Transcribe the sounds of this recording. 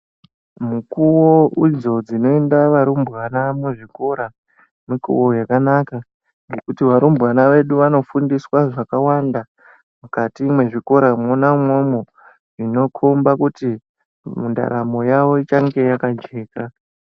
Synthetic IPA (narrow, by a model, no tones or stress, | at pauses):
mukuwoid͡zo̞d͡zino̞e̞ndaʋaɾumbɣanamweʐiko̞ɾa | mikṵwo̞jakanaka | ŋɡe̞kutiʋaɾumbɣanaʋe̞ɗuʋano̞fundiswaʐakawanda | mukatimwe̞ʐiko̞ɾamonamwo̞mo | ʐino̞kʰombakuti | munda̰ɾamo̞jaʋo̞it͡ʃaŋɡe̞jakad͡ʒeːka